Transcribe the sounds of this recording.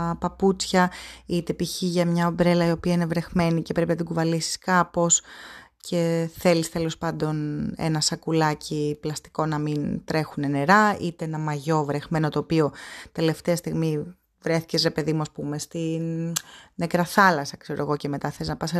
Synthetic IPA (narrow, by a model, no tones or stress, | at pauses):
pɐput͡sçɐit̪e̞piçiʝɐmɲɐobɾe̞lɐio̞piɐinevɾe̞xme̞nice̞pɾe̞pinɐt̪iɡuvɐlisi̥skɐpo̞scʰe̞θe̞list̪elo̞spɐnd̪o̞nḛnɐsɐkulɐciplɐst̪i̥ko̞nɐmint̪ɾe̞xune̞ne̞ɾɐit̪eenɐmɐʝo̞vɾe̞xme̞no̞t̪o̞ːpio̞t̪e̞le̞ft̪eɐst̪iɣmi | vɾe̞θi̥ce̞sɾe̞pe̞ðimuɐspume̞st̪i | nekɾɐθɐlɐsɐkse̞ɾoeɣo̞ce̞me̞t̪ɐθeliznɐpɐs